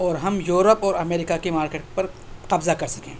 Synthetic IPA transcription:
ɔːɾɦɐmjuːɾəpɔːɾɐmeːɾɪkakimaːɾkeːʈpɐɾqɐbzakɐɾsɐ̥kḛ̃ː

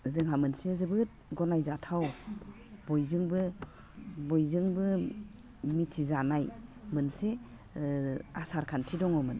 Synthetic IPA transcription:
zɯŋɦamɯnsezɯbɯt̚ɡɔnajzatʰaw | bɔjzɯŋbɯ | bɔjzɯŋbɯ | mitʰizanajmɯnse | asaɾkʰantʰidɔŋɔmɯn

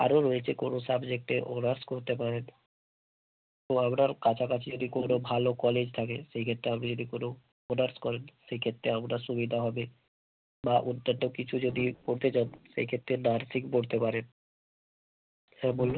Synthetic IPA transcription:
a̰ɾoɾoet͡ɕʰekonosabd͡ʑek̚ʈeʔonaɾskoɾt̪epaɾen | t̪oamɾaɾkat͡ɕʰakat͡ɕʰed͡ʑod̪ikonobʱalokɔled͡ʑt̪ʰakeʃejkʰet̪ːɾeamnid͡ʑod̪ikono | onaɾskɔɾenʃejkʰet̪ːɾeamɾaʃubid̪ʱaɦɔbe | baʔunt̪ːanokit͡ɕʰud͡ʑod̪ipoɽt̪ʰed͡ʑanʃḛjkʰet̪ːɾenaɾsikboɽt̪epaɾen | hɛbolːo

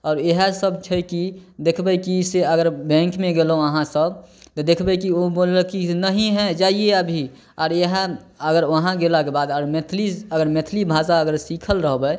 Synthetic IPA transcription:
ɔːɾeɦəsəbʱt͡ʃʰəkid̪ekʰbəjkiseəɡəɾbɛ̃ŋkmẽɡelɦõəɦãsəbʱ | t̪ɔd̪ekʰbəkioboləkinəɦĩɦɛ̃d͡ʒaːieəbʱi | ɔːɾeɦə | əɡəɾʋəɦãɡelakebad̪əɾmet̪ʰliəɡəɾmet̪ʰlibʱasaəɡəɾsikʰəlɾəɦbə

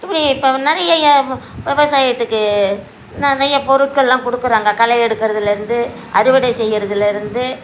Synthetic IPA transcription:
ɪpːɐɽɪɪpːoːnɪɾɐjɐjɐʋɛʋɐsaːjɐt̪ːɯkːɯ | nɐnɪɾɐjɐpɔɾɯʈ̚kɐɭlãːkɔɽɯkːɯɾaːŋɡɐkɐlɐɛɽɯkːɪɾɐðɯlɪɾɯnd̪ɯ | ʔɐɾɪʋɪɽɐɪsɛjːɪɾɐðɪlɪɾɯnd̪ɯ

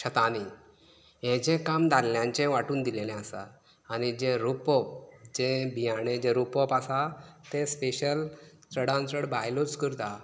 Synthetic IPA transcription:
ɕət̪ani | ɦɛ̃d͡ʑɛ̃kamd̪ʱalljãɲt͡ɕɛ̃ʋaʈuːnd̪ilelɛ̃asa̰ː | ɽid͡ʑẽɾupɔp̚d͡ʑẽbʱijaɽ̃ẽd͡ʑẽɾupɔpasat̪ẽspeɕəl | t͡səɽãnt͡səɽbʱaɦjlot͡skəɾt̪a

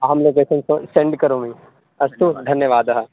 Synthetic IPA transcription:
ɐɦɐmloːkeːsɐnsõsẽɳɖkɐɾoːmĩ | ɐst̪ud̪ʱɐnjəʋaːd̪ɐɦɐ

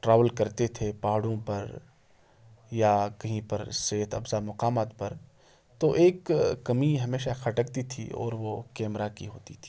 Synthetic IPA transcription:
ʈɾaːʋəlkɐɾt̪et̪ʰepaːɦɽõpɐɾ | jakɐɦĩpɐɾseːt̪ʰɐbzamʊqaːmaːt̪pɐɾ | t̪oʔeːkːɐmiɦɐmeːʃaxʰɐʈəkt̪it̪ʰḭɔ̰ːɾʋokɛːmɾakiɦoːt̪it̪ʰi̥ː

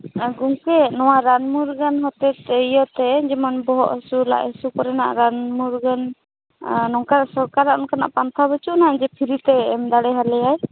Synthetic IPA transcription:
ɡuŋkɛnɔwaɾanmuɾɡənɦɔt̪ɛt̪ijət̪ɛd͡ʒɛmanbɔɦɔʔsula̰ʔəsukɔɾɛna̰ʔɾanmuɾɡan | nɔŋkaɾasɔɾkaɾaʔnkana̰ʔpant̪ʰabət͡ʃuʔnaad͡ʒɛpʰiɾit̪ɛːmd̪aɽɛɦalɛjaj

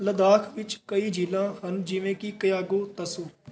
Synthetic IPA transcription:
ləd̪aːkʰʋɪt͡ʃkɐid͡ʒiːlãːhɐnd͡ʒiʋẽːkikɐjaːɡoːt̪ɐsoː

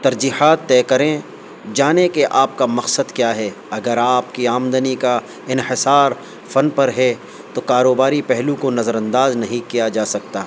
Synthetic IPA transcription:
t̪ɐɾd͡ʒiːɦaːt̪ːɛːkɐɾẽ | d͡ʒaːnekeʔaːp̚kamɐqsəd̪kjaːɦɛ | ɐɡəɾaːp̚kiaːmd̪ənika | ɪnhɪsaːɾ | fɐnpɐɾɦɛ | t̪okaːɾoːbaːɾipɛɦlũkonɐzəɾɐ̃nd̪aːznɐɦĩkijad͡ʒaːsɐk̚t̪aː

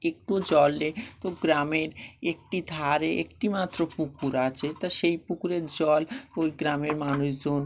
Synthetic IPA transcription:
ek̚ʈuod͡ʑɔlːet̪oɡɾameɾek̚ʈid̪ʱaɾeḛkʈimat̪ːɾopukuɾat͡ɕʰet̪aʃejpukuɾeɾd͡ʑɔlojɡɾameɾmanuʃd͡ʑon

